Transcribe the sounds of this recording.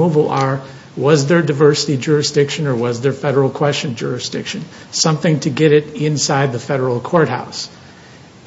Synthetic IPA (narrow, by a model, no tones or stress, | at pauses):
uvl̩ˠə˞ | wʌzðə˞daɪvɜ˞səɾid͡ʒʊɹɨsd̥ɪkʃɨ̃nə˞wʌzðə˞fɛɾə˞l̩ˠkʰw̥ɛst͡ʃɨ̃nd͡ʒʊ̰ɹɨsd̥ɪkʃɨ̃n | sʌ̃mθɪ̃ŋtʰɨɡɛɾɪɾɪ̃nsaɪd̪̚ðɨfɛɾə˞l̩ˠkʰɔɹt̚ha̰ʊs